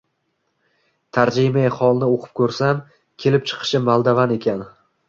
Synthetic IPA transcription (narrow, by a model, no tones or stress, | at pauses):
t̪ʰaɾd͡ʒijmajχɒlˠnɪoqʰɨ̥p̚kʰɵɾsam | kʲʰe̞lɪp̚t͡ʃʰɨ̥qʰɨ̥ʃɪmalˠd̪avane̞kʲan